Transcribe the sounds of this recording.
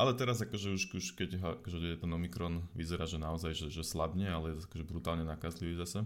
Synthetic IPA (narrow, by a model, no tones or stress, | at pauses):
alɛt̪ɛɾazakɔʒɛuʃuʃkɛɟɦɔa̰kɔʒɛɛɛt̪ɛnɔmikɾɔnʋizɛɾaːʒɛnaɔzajʒɛʒɛslabɲɛalɛjɛt̪ɔakɔʒɛbɾut̪aːlɲɛnakazliʋiːzasɛ